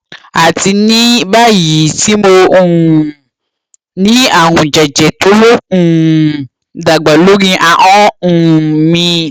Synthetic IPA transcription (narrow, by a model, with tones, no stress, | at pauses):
a˨ti˧nĩ˦ba˦˨ji˨˦ti˨˦mõ˧˨ | nĩ˦a˦˨ɦũ˨d͡ʒɛ˨d͡ʒɛ˨to˨˦lo˦ũ˦˨ | da˨ɡ͡ba˨lo˦ɡĩ˧ʔa˧ʔɔ̃˦ũ˦˨mĩ˧